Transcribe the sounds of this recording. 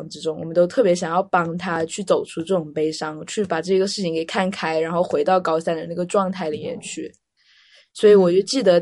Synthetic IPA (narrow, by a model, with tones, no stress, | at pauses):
ŋʈ͡ʂɻ̩˧˥ʈ͡ʂʊ˥ŋwɔ̰˨˩mə˦nt̪o˥ʊt̪ʰɤ˥˩pjɛ˧˥ɕjɑ˨˩ŋjɑ˥˩ʊpɑ˥ŋt̪ʰa˥t͡ɕʰy˥˩t͡so˨˩ʊʈ͡ʂʰu˥ʈ͡ʂɤ˥˩ʈ͡ʂʊ˨˩ŋpe˥ɪʂɑ˥ŋt͡ɕʰy˥˩pa˨˩ʈ͡ʂɤ˥˩˥ɡə˩ʂɻ̩ʰ˥˩i˧˥ŋke˨˩ɪkʰa˥˩nkʰa˥ɪɻa˧˥nxo˥˩ʊxwe˧˥ɪt̪ɑ˥˩ʊkɑ˥ʊsa˥˩nd̪ə˨˩na˥˩ɡə˩ʈ͡ʂwɑ˥˧ŋt̪ʰa˥˩ɪli˨˩mjɛ̰˧˥nt͡ɕʰy˥˩ | swɔ˧˥i˧˥wɔ˨˩t͡ɕjo˥˧ʊt͡ɕi˥˩d̪ə˦